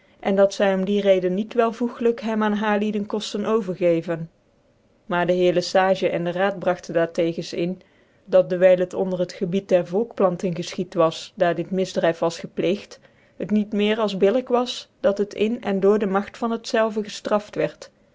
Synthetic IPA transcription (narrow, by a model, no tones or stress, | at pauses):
ʔɛndɑtsɛjɔmdirejdənːitʋɛlˠvuχələkɦɛmaːnɦaːɹlidənkɔstənʔowvəɹχejvən | maːɹdəɦɪːɹləsaːʒəʔɛndəraːt̚brɑχtəndaːɹtejɣənsɪn | dɑt̚dəɹʋɛjlˠətɔ̰ndərɦətχəbit̚dɛɹvɔlˠkplɑntənɣəsχitʋɑsdaːɹdɪtmɪzdrɛjfʋɑsχəplejxt | hətnitmɪːɹɑlˠzbɪləkʋɑsd̥ɑtɦətʰɪnɛndʊːɹdəmɑχtfɑnɦətsɛlˠvəɣəstrɑftʋɛɹt